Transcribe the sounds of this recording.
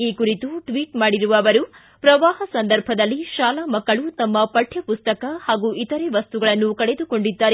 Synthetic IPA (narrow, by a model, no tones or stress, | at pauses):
iːkuɾit̪uʈʋiːʈmaːɽiɾuʋɐːʋɐɾu | pɾɐʋaːɦɐsɐnd̪ɐɾbʱɐd̪ɐlːiʃaːlaːmɐkːɐɭut̪ɐmːɐpɐʈʰjɐpust̪ɐkɐhaːɡuʔit̪ɐɾeʋɐst̪uɡɐɭɐnːukɐɭe̞d̪uko̞ɳɖid̪ːaːɾe